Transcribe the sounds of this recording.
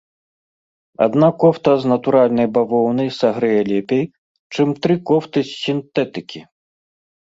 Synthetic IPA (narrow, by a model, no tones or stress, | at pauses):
a̰d̪nakɔft̪ɐznɐt̪uɾalʲnɐjbavɔwnɐjsaɣɾɛjɛlʲɛpʲej | t͡ʂɨmt̪ɾɨkɔft̪ɨsʲːint̪ɛt̪ɨkʲi